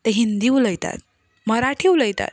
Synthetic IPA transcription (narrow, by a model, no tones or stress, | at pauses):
t̪eɦind̪iuləjt̪a̰t̪̚ | mʌɾaʈʰiuləjt̪a̰t̪